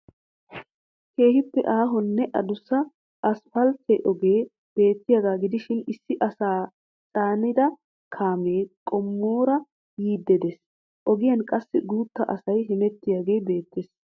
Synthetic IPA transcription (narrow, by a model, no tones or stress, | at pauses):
ke̞ːhɪpːɛʔaːɦɔnːɛʔɐd̪ʊsɐ | ɐsfɐlt̪ɛʔɔɡe̞ː | b̥e̞ːt̪ːɪjaːɡaːɡɪd̪ɪʃɪnɪsːɪʔɐsaː | tʼaːnɪd̪ɐ | kʰaːmeːkʼɔmːoːɾɐ | jiːd̪ːɛd̪es | ʔɔɡɪjɐnkʼɐsːɪɡuːt̪ːɐʔɐsɐjɦɪmɛt̪ːɪjaːɡe̞ːjbe̞ːt̪ːes